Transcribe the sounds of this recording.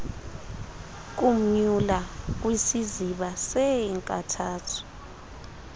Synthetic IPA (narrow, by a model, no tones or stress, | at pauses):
k̬um̩ɲulak̬wisiziɓasɛŋkʼatʰaːtʰu̥